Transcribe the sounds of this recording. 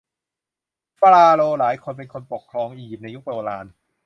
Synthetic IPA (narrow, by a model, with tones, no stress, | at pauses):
pɾaː˧loː˧laː˩˦jkʰo˧np̬e˧nkʰo˧npo˨˩kʰːɾɔː˧ŋʔiː˧ji˨˩p̚na˧ju˦˥k̚ɾoː˧la̰ː˧n